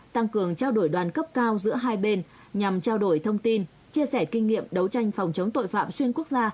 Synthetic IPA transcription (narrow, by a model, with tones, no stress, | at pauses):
t̪a˧ŋkɨ˨˩əŋt͡ɕaː˧wɗo˧˩jɗwaː˨˩nkə˦˥p̚kaː˧wzɨ̰˧˥əɦaː˧jɓe˧n | ɲa˨˩mt͡ɕaː˧wɗo˧˩jt̪ʰə˧wŋ͡mt̪i˧n | t͡ɕi˧əsɛ˧˩kï˧ŋ̟ŋːḭ˧˨əmɗə˨˦wt͡ɕa˧jŋ̟fa˨˩wŋ͡mt͡ɕə˨˦wŋ͡mt̪o̰˧˨jfa̰ː˧˨mswi˧ənku˦˥ək̚zaː˧